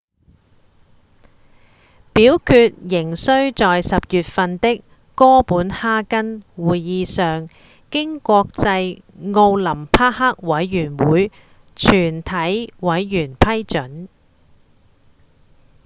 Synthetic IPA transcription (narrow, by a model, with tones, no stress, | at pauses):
piː˨˥wkʰyː˧t̚jɪ˨˩ŋsɵ˥ɥt͡sɔː˨jsɐ˨p̚jyː˨t̚fɐ˧nt̪ɪ˥kː | ɔː˥puː˨˥nhaː˥kɐ˥nwuː˨jjiː˨˧sœː˨ŋ | kɪ˥ŋkʷɔː˧k̚t͡sɐ˧j | ŋo˧wlɐ˨˩mpʰaː˥haː˥k̚wɐ˨˥jːyː˨˩nwuː˨˥j | t͡ʃʰyː˨˩nt̪ʰɐ˨˥jwɐ˨˥jːyː˨˩npʰɐ˥jt͡ʃɵ˨˥n